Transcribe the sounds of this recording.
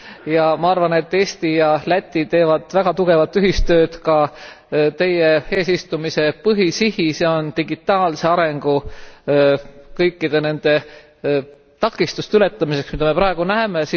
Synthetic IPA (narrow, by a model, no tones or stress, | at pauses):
jɑmɑɑrvɑne̞t̪ːe̞ːst̪ijɑlæt̪ʲːˑit̪e̞ːvɑd̪̥væɡ̥ɑt̪uɡ̥e̞vɑt̪ːˑyɦist̪ø̞ːd̪̥kɑ | t̪e̞jee̞ːsist̪umise̞pɤɦisihise̞o̞nt̪iɡit̪ːˑɑːlse̞ɑɾe̞ŋɡ̥u | kɤjkːid̪̥e̞ne̞nd̪̥e̞ | t̪ɑkːˑist̪ust̪eyle̞t̪ːˑɑmise̞ksmid̪ɑme̞pɾɑeɡ̥unæːmesi